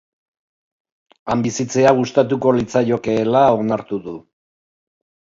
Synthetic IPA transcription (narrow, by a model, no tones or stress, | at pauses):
ambisit͡se̞aɣ̞ust̪at̪uko̞lit͡sajo̞keːlao̞naɾt̪uðu